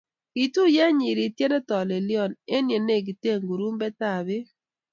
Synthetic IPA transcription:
ki˨tu˦ja˦ɲi˨ɾi˨tje˦nɛ˦tɔ˨le˨lɪ˦ɔ˨ne˦nje˨ne˦˨ɡi˨te˦˨ŋɡu˨ɾu˦mbɛ˦ta˦˨bɪ˦

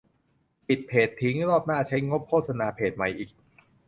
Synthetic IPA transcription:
pi˨˩t̪̚pʰeː˨˩t̪ʰːi˦˥ŋɾɔː˥˩p̚naː˥˩t͡ɕʰa˦˥jŋo˦˥p̚kʰoː˥˩t̪̚sa˧naː˧pʰeː˨˩t̪̚ma˨˩jʔiː˨˩k̚

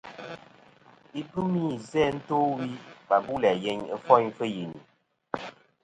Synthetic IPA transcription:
i˦bɨ˦mi˦zɛ˦n̩˦toː˦wi˦ba˨bu˦lɛ˨jɛ˦ɲə˦fɔ˦ɲfə˦ji˨ni˨

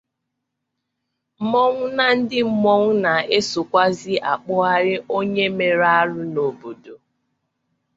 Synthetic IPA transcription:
m̩˦mɔ˦ŋ̩ʷ˦na˦n̩˦dɪ˦m̩˦˨mɔ˦ŋ̩˦na˨e˦so˨kʷa˦zi˦ʔa̰˨k͡pʊ˦a˦ɾɪ˦ʔo˦ɲe˦me˨ɾa˦ɾʊ˦no˨bo˨do˨

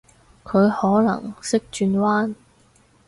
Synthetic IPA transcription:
kʰɵ˨˧ɥhɔː˨˥lɐ̰˨˩ŋsɪ˥k̚t͡ʃyː˧nwaː˥n

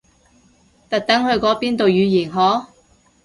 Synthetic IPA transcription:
t̪ɐ˨k̚t̪ɐ˨˥ŋhɵ˧ɥkɔː˨˥piː˥nt̪o˨wjyː˨˧jiː˨˩nɦɔː˨˥

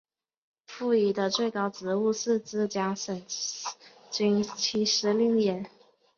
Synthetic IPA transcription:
fu˥˩i˧˩d̪ə˧t͡swe˥˩ɪkɑ˥ʊʈ͡ʂɻ̩˧˥u˥˧ʂɻ̩˥˩t͡sɹ̩˥˩t͡ɕja˥ʂə˨˩n | t͡ɕy˧˥ŋt͡ɕʰi˧˥ʂɻ̩˧˥li˥˩ŋjɛ˨˧˩n

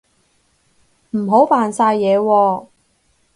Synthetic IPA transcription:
m̩˨˩ɦo˨˥wpaː˨nsaː˧jːɛː˨˧wɔː˧

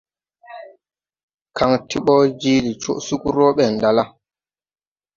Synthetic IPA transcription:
ka˨ŋti˦ɓɔ˦d͡ʒi˦li˨t͡ʃo̰˦˨ʔsu˦ku˦ɾo˦ɓɛ˨nda˨la˦

